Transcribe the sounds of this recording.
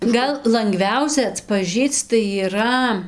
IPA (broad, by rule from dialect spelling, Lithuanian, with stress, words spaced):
ˈɡɐlˠ lˠɐŋˈɡʋʲɛʊsʲɛ ɐtpɐˈʒʲiːt͡s tɐɪ iːˈrɐ